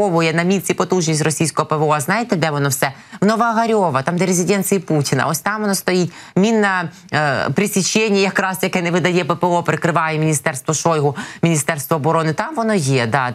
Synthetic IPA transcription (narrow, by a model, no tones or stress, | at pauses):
ɔʋʊjɛnɐmʲit͡sʲipɔt̪uʒnʲisʲtʲrɔsʲijsʲkɔɦɔpeʋɔɐznɑjet̪ɛd̪ɛʋɔnɔwsɛ | wnɔʋɐːɦɐɾʲɔʋɐt̪ɑmd̪ɛɾezʲɪd̪ʲɛnt̪t͡s̪ʲɪjiputʲɪnɐ̰ʔɔsʲt̪ɑmʋɔnɔst̪ɔjitʲmʲinːɐ | pɾɪsʲit͡ʃɛnʲːijɐkɾɑsjɐkɛnɛʋɪd̪ɐjɛpɛpeɔpɾɪkɾɪʋɑjɛmʲinʲist̪ɛrst̪ʋɔʃɔjɦʊmʲinʲist̪ɛrst̪ʋɔːbɔɾɔnɪt̪ɑmʋɔnɔjɛd̪ɑ